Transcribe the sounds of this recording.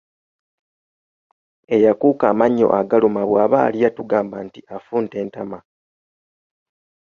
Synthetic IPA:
e̞jakuːkaːmaɲːo̞̰ʔaɡalumaβwaːβa̰ːliatuɡaːmbantiafuːnte̞ːntama

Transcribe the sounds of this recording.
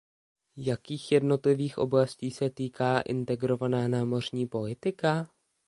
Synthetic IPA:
jakiːxjɛdno̞t̪lɪviːxʔo̞̰blasciːsɛt̪iːkʰaːʔɪ̰nt̪ɛɡɾo̞vanaːnaːmo̞r̝ɲiːpo̞lɪt̪ɪka

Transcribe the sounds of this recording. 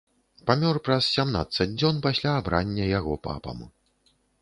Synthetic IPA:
pamʲɔrpɾɐssʲamna̰t̪sɐd͡zʲd͡zʲɔnpasʲlʲaːbɾʔanʲːɐjaɣɔpa̰pɐ̰mu

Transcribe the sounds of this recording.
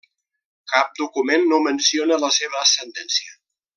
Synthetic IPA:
kap̚d̪ukumenːomənsionələseβ̞əːsənd̪ɛnsiə

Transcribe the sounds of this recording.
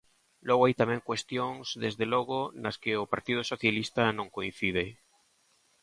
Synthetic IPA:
loɣoajt̪amẽŋkwest̪joŋzðezðeloɣonaskeopaɾt̪iðosoθjalist̪anõŋkoin̟θið̞e

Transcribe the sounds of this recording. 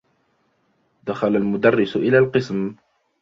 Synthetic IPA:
d̪axalalmʊd̪arːɪsʔɪlaːlqɨsm

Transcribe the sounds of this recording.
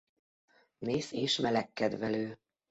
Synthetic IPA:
neːseːʃmɛlɛkːɛd̪vɛløː

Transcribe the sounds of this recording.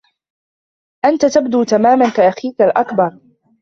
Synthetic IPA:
ʔant̪at̪ab̚d̪uːt̪amaːmankaʔaxiːkalʔakbɑɾˤ

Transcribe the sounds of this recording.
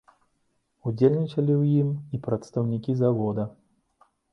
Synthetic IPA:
ud͡zʲelʲnʲit͡ʃɐlʲiwjimipɾɐt̪st̪ɐwnʲikʲizavɔd̪ɐ

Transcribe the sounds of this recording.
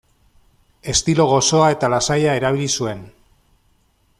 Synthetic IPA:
e̞st̪ilo̞ɣ̞o̞so̞ae̞t̪alasajae̞ɾaβ̞ilisue̞n

